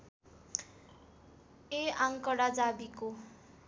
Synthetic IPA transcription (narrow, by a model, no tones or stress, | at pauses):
eaŋkʌɽad͡zabiko